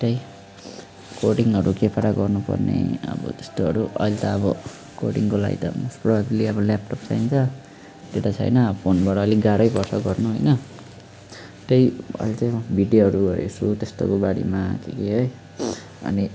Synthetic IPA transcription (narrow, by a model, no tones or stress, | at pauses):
t̪ʌj | koʈiŋɦʌɾukepaɽaɡʌrnupʌ̰rnḛʌ̰bʌ̰t̪est̪oʌɾuʔʌ̰jlt̪ʌʌbʌ | koʈiŋkola̰ɡḭt̪ʌ̰msprʌbʱabileʌbʌlap̚ʈop̚t͡sʰajnt͡sʰʌ | t̪eʈ̪at͡sʰʌ̰jnʌʌpʰonbaʈʌːliɡaɾʌjbʌrsʌɡʌrnuɦojnʌ | t̪ejʌ̰jlt͡sajbʱiɖjoɦʌɾuʌɾḛsʰut̪est̪o̰kobaɽḭmak̪ʰekeɦʌj | ʌ̰ni